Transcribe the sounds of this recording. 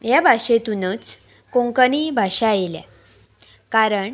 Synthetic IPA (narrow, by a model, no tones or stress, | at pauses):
jabʱaɕet̪unət͡s | kõŋkənibʱaɕajlja̰ | kaɾəɳ